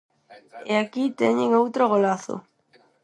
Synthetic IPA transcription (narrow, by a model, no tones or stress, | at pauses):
eakit̪eɲẽŋowt̪ɾoɣ̞olaθo̰